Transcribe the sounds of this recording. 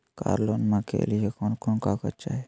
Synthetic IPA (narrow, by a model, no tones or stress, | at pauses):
ka̰ːɾloːnmãkḛːliɦekonkonkakə̰t͡ʃaːɦe